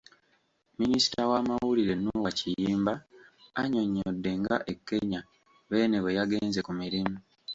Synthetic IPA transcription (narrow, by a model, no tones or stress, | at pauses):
minisi̥tawaːmawuliɾe̞nuwacijiːmbaː | ɲo̞ɲːodːe̞ŋɡa̰ʔe̞kːe̞ɲa | βe̞ːne̞βe̞jaɡe̞ːnze̞kumiɾimu